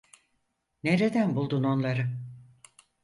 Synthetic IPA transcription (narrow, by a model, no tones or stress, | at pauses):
neɾed̪ænbulˠd̪uno̞nlˠaɾɯ